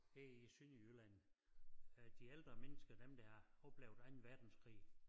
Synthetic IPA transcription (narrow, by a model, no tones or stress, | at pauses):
heisyniylæn̰ | d̥ield̥ʁɐmenəsɡ̥ɐd̥emd̥ɑhɑɒ̽b̥leʊd̥æ̈ɪn̩ʋæɐd̥n̩skʰʁḭː